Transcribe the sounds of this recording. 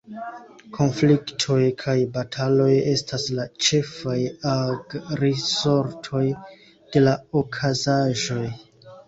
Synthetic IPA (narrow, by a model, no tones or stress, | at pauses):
kʰo̞nfliktʰo̞jkʰajbatʰalo̞je̞staslat͡ʃe̞fajaɡɾiso̞ɾtʰo̞j | d̥e̞laokʰazaʒo̞j